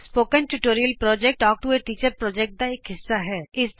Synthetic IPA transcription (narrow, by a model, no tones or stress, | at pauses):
spoːkə̃nʈuʈoːɾijəlpɾɔːd͡ʒɛk̚ʈɔːk̚ʈueʈiːt͡ʃəɾpɾɔːd͡ʒɛk̚ʈ̚d̪aeːkɦɪsːaɦɛːɪsd̪